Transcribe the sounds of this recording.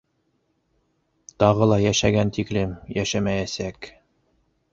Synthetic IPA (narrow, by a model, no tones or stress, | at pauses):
t̪ɑʁɤlˠɑjæʃæɡænt̪iklɘmjæʃæmæjæsæk